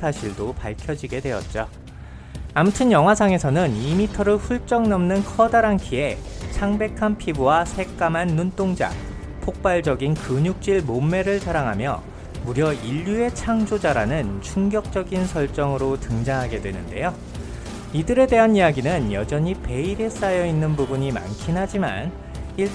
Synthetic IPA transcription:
sʰaɕʰiɭdopaɭkʰjʌd͡ʑiɡe̞dwe̞ʌt̚t͡ɕ͈o | amutʰɯnjʌŋɦwasʰaŋe̞sʰʌnɯnimitʰʌɾɯɭɸuɭt͡ɕ͈ʌŋnʌmnɯnkʰʌdaɾaŋkʰie̞t͡ɕʰaŋbe̞kʰanpʰibuwasʰe̞k͈amɦanːunt͈oŋd͡ʑa̰ | pʰok̚p͈aɭd͡ʑʌɡinkɯɲuk̚t͡ɕ͈iɭmomːe̞ɾɯɭsʰaɾaŋɦamjʌ̰ | muɾjʌiʎːue̞t͡ɕʰaŋd͡ʑod͡ʑaɾanɯnt͡ɕʰuŋɡjʌk̚t͡ɕ͈ʌɡinsʰʌɭt͡ɕ͈ʌŋɯɾotɯŋd͡ʑaŋɦaɡe̞dwe̞nɯnde̞̰jo | idɯɾe̞de̞ɦanijaɡinɯnjʌd͡ʑʌɲipe̞iɾe̞s͈ajʌinːɯnbubuɲima̰nkʰinɦad͡ʑima̰n | iɭ

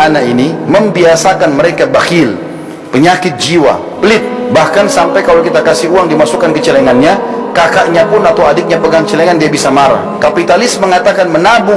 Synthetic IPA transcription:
anainiməmbiasakanməɾekabahil | pəɲakɪt̪̚d͡ʒiwa̰ | bəlɪt̪̚bahkansampajkalawkit̪akasɪuaŋdimasukankət͡ʃəlɛŋanɲakakaʔɲapʊnat̪awadɪk̚ɲapəɡaŋt͡ʃəlɛŋandiabisamaɾa̰hkapit̪alɪsməŋat̪akanmənabu

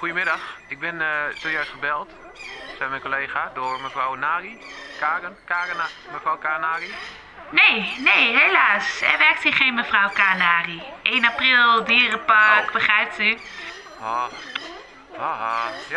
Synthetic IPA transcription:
xujəmɪdaxɪk̚bɪntojœɥstχəbɛlˠt | sɛjmɛjnkoleːɣadorməfrawnaːrikarənkaːrənməfrawkaːnaːri | neːneːɦelaːsɛ̰ʋɛk̚tiχeːnməfrawkaːnaːriʔeːnaprɪlˠdiəɾəpakbəχrɛjp̚ty | ha | aɦaja

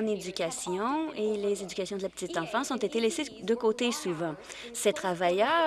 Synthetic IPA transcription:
ned̪ykʲasjɔ̃elezed̪ykasjɔ̃d̪əlapə̥t̪it̪ɑ̃fɑ̃sɔ̃t̪et̪elɛsed̪əkot̪esuvɑ̃ | set̪χavajœ

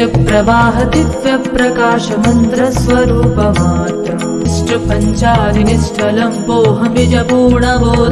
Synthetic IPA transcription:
ɐpɾɐʋaːɦɐt̪iʋjɐpɾɐkaːʃɐmɐnt̪ɾɐsʋɐɾuːpɐmaːt̪ɐ | isʈɐpɐɲt͡ʃaːd̪ʱinisʈʰɐlɐmboːɦɐmid͡ʒɐpuːɳɐboːd̪

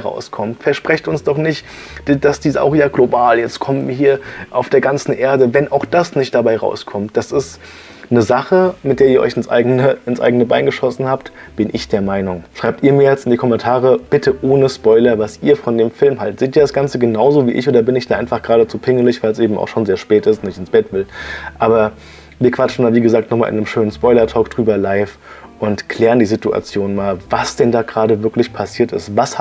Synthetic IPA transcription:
ʁa̰ʊskʰɔmtfɛɐʃpʁ̥ɛçtʊnsd̥ɔχnɪçt | d̥d̥asd̥iːsa̰ʊxjaːɡlobaːljɛt͡stkʰɔmənviːɐɦiːɐʔaʊfd̥eːɐɡant͡sn̩ʔeːɐdəvɛnʔaʊxd̥asnɪçt̚d̥abaɪʁa̰ʊskʰɔmt̚d̥asɪst | nəzaχəmɪt̚d̥eːɐiːɐʔɔ̰ʏçɪnsʔa̰ɪɡənəɪnsʔa̰ɪɡənəba̰ɪnɡəʃɔsn̩haːptb̥ɪnʔɪçd̥eːɐmaɪnʊŋʃʁ̥aɪp̚tiːɐmiːɐjɛt͡stɪndiːkʰɔmɛntʰaːʁəb̥ɪtʰəʔoːnəspɔʏlɐvasʔiːɐfɔndeːmfɪlmɦaltz̥eːtiːɐdasɡ̥ant͡səɡənaʊzoːvḭːʔɪ̰çʔoːdɐbɪnɪçd̥aːʔaɪnfaχɡ̥ʁaːdət͡supʰɪŋəlɪçv̥aɪlsʔeːbm̩a̰ʊxʃoːnzeːɐʃpɛːtɪstʊnnɪçtɪnsb̥ɛtv̥ɪlʔaːbɐ | viːɐkʰv̥at͡ʃn̩daːviːɡəzaːk̚tnɔχma̰ːlʔnəmʃøːnənspɔʏlɐtʰɔːkd̥ʁyːbɐlaɪf | ʔʊntkʰl̥ɛːʁəndiːzitua̰t͡sjoːnmaːlvasd̥ɛndaːɡʁaːdəvɪɐklɪçpʰasiːɐtɪ̰stvas

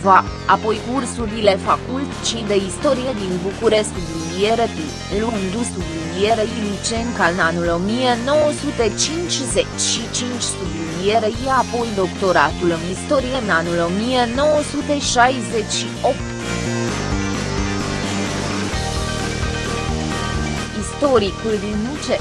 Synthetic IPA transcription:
va | apo̞jkursuɾile̞fakult̪t͡ʃid̪e̞ist̪o̞ɾijed̪inbukuɾe̞st̪ub̪linieɾepi | lund̪ust̪ublinijeɾeilit͡ʃeŋkaɨnanulo̞mije̞no̞wəsut̪e̞t͡ʃint͡ʃʲzet͡ʃʲʃit͡ʃint͡ʃʲst̪ub̪linijeɾejeapo̞jd̪o̞kt̪o̞ɾat̪ulɨnist̪o̞ɾijeɨnanulo̞mije̞no̞wəsut̪e̞ʃajze̞t͡ʃʲʃiop̚t̪ | ist̪o̞ɾikuld̪inmut͡ʃe

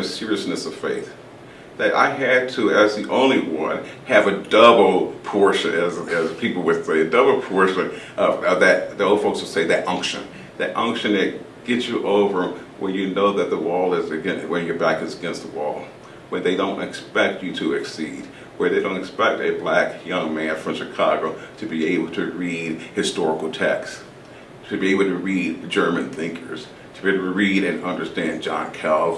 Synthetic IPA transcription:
sɪɹiɨsnɨsʌv̥feɪθ | ðɨɾʔa̰ɪɨd̥̚tʰɨɨzðiʔõʊ̃nliwʌ̃nɨvɨdʌbl̩ˠpʰɔɹʃɨ̃nɨzɨz̥pʰipl̩ˠwɨð̥seɪɨdʌbl̩ˠpʰɔɹʃɨ̃nʔʌvʌðɨt̚ðioʊlˠd̥foʊkswɨd̥seɪðɨɾʔʌ̃ŋkʃɨ̰̃n | ðɨɾʔʌ̃ŋkʃɨ̃nɨt̚ | ɡ̥ɛtsjɨʔoʊvə˞wʔə˞jɨnoʊðɨt̪̚ðəwɔlˠɪzɨɡɛ̃nwɨ̃njə˞bækɨzəɡɛ̃nst̪̚ðəwɔ̰lˠ | wə̃˞ðeɪɾõʊ̃ntɨ̰kspɛk̚t͡ʃɨɾɨɨksid̥̚ | wə˞ðeɪɾõʊ̃ntɨkspɛk̚tɨblækjʌ̃ŋmæ̃nfɹʌ̃mʃɨkʰɑɡoʊɾɨbieɪbl̩ˠtʰɨɹid̥̚hɨstɔɹəkl̩ˠtʰɛks | tʰɨbieɪbl̩ˠtʰɨɹid̚d͡ʒɜ˞mɨ̃nθɪ̃ŋkʰə˞z̥ | tʰɨbiɨɹiɾɨ̃nʌ̃ndə˞stæ̃nd͡ʒɑ̰̃nkʰɛlˠv̥

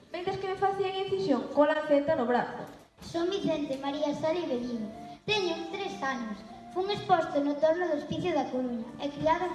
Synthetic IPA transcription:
mẽnt̪ɾeskɪmefaθiaŋiθisjoŋkolaθet̪ɐnʊβɾaθʊ̰ | soŋbiθɛnt̪emaɾiasaɾeβelinʊt̪ɛɲʊŋt̪ɾesanʊs | fuŋespɔst̪ʊnʊt̪oɾnʊðʊespiθjʊðɐkoɾuɲɐɛkɾiaða

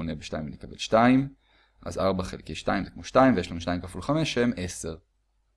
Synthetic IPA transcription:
onebeʃta̰jimlekabelʃtaim | ʔa̰zaʁbaχelkejʃta̰jimzekmoʃtaimvejeʃlanuʃtaimkafulχame̞ʃeme̞seʁ

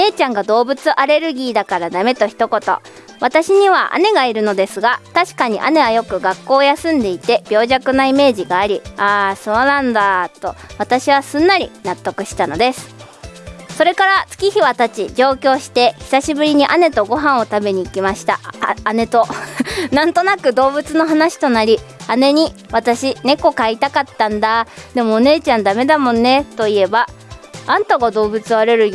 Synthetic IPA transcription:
e̞ːt͡ɕãŋɡad̪o̞ːbɯ̟t͡sɨʔaɾe̞ɾɯ̟ɡʲiːd̪akaɾad̪ame̞t̪o̞çi̥t̪o̞ko̞t̪o̞̰ | βat̪aɕiɲ̟iβ̞aʔa̰ne̞ɡaiɾɯ̟no̞d̪e̞sɨɡat̪aɕi̥kaɲ̟iʔa̰ne̞βajo̞kɯ̟ɡakːo̞ːjasɨ̃nd̪e̞it̪e̞b̥ʲjo̞ːʑakɯ̟naime̞ːʑiɡaːɾʲiaːso̞ːnãnd̪at̪o̞βat̪aɕiβ̞asɨ̃nːaɾʲḭnat̪ːo̞kɯ̟ɕi̥t̪ano̞d̪e̞sɨ̥ | so̞ɾe̞kaɾat͡sɨ̥kʲiçiβat̪at͡ɕid͡ʑo̞ːkʲo̞ːɕi̥t̪e̞çi̥saɕibɯ̟ɾʲiɲ̟iʔane̞t̪o̞ɡo̞ɦãɰ̃o̞t̪abe̞ɲ̟iːkʲimaɕi̥t̪aane̞t̪o̞nãnt̪o̞nakɯ̟d̪o̞ːbɯ̟t͡sɨno̞ɦanaɕi̥t̪o̞naɾʲiane̞ɲ̟iβ̞at̪aɕine̞ko̞kait̪akat̪ːãnd̪ad̪̥e̞mo̞ːne̞ːt͡ɕãnd̪ame̞d̪amõ̞nːe̞t̪o̞ie̞ba | ãnt̪oɡad̪o̞ːbɯ̟t͡sɨaɾeɾɯ̟

